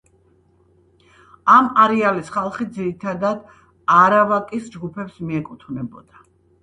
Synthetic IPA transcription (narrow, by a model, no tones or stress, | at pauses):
amaɾɛalisχalˠχid̪ziɾit̪ʰad̪ad̪ | aɾavakʼisd͡ʒɡupʰɛpsmiɛkʼut̪ʰvnɛbɔd̪̥a